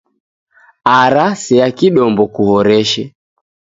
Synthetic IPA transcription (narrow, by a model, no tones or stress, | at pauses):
aɾasɛakiɗɔmbɔkuhɔɾɛʃɛ